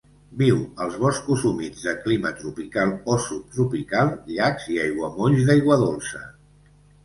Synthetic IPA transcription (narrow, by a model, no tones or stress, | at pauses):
biwəlˠzβɔskuzumid͡zðəklimət̪ɾupikalˠɔsut̪ɾupikalˠʎakziajɣwəmoʎzðajɣwəðolˠsə̰